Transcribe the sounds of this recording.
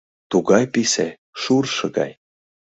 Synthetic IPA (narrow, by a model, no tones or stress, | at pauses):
t̪uɣɑjpisæ | ʃurʃɤ̆ɡɑ̰j